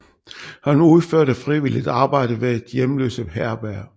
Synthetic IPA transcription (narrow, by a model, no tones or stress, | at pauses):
hɑ̈nuuð̞ˠføɐɾ̥æ̥fʁiʋilid̥ɑ̈ːb̥ɑ̈ɪ̰d̥əʋee̝d̥jemlø̰ːsəɦæɐb̥æɐ̰